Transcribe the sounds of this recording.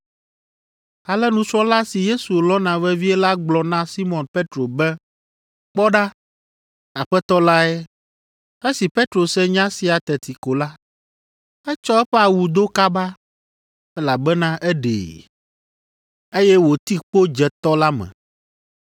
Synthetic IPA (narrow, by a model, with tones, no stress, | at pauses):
a˨lɛ˦nũ˨t͡ʃɾɔ˦la˦si˨je˦su˨lɔ˦nã˨vɛ˦vi˦ɛ˦la˦ɡ͡blɔ˨nã˦si˦mɔ̃˨npe˦t̪ɾo˨bɛ˦ | k͡pɔ˦ɖa˦ | a˨ɸɛ˦t̪ɔ˦la˦ɛ˦ | e˦si˨pe˦t̪ɾo˨sɛ˦ɲã˦si˨a˨t̪ɛ˨t̪i˨ko˨la˦ | ɛ˦t͡ʃɔ˦ɛ˦ɸɛ˦a˨wu˨d̪o˦ka˦ba˦ | ɛ˦la˨bɛ˦nã˦ʔɛ˦ɖḛ˨ | e˦jɛ˦wo˨t̪i˦k͡po˦d͡ʒɛ˨t̪ɔ˦la˦mɛ̰̃˨